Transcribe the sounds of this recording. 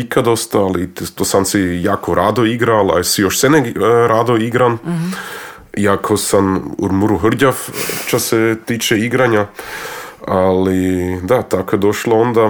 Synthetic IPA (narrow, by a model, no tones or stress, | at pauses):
ikad̪o̞st̪aalit̪osansijaːkoɾaːd̪oiɡɾala̰sijoʃseneɡɾad̪oiɡɾan | jakʰosamṵɾmuɾuɦr̩ɟaft͡ʃaset̪iːt͡ʃeiɡɾaɲa | alid̪at̪akojed̪oʃloond̪a